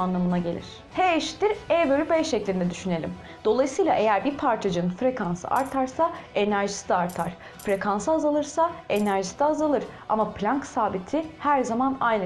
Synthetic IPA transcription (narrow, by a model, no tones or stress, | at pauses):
anlˠamɯnaɟe̞lʲḭɾ̥ | heʃt̪iɾɛbøɾʲybɛʃeclʲind̪ɛd̪yʃyne̞lʲḭm | d̪̥o̞lˠajsɯjlˠaʔe̞jæɾbiɾpʰaɾt͡ʃʰad͡ʒanɯnfɾe̞kʰansɯ̰ʔa̰ɾt̪ʰaɾsaenæɾʒi̥sd̪ɛaɾt̪ʰaɾ̥ | fɾe̞kʰansɯazalˠɯɾsae̞næɾʒisid̪ɛːzalˠɯɾ̥ | a̰maplʲaŋksaːbit̪ʰihæɾzamanajn